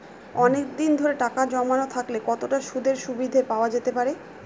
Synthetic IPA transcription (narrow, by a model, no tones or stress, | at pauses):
ɔnek̚d̪ind̪ʱoɾeʈakad͡ʑɔmanot̪ʰaklekɔt̪oʈaʃud̪ʱeɾʃubid̪ʱepaoad͡ʑet̪epaɾe